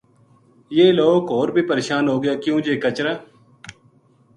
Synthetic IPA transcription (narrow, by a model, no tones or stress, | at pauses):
jeːloːkoːɾbʱiːpəɾeːʃaːnɦoːɡəjaːkjũːd͡ʒeːkət͡ʃɾaː